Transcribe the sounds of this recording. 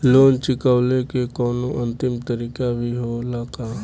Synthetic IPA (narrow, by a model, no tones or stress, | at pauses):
loːnt͡ʃɪkəʋlekekɔːnõʔə̃nt̪ɪmt̪əɾiːkabʱiɦolaːkaː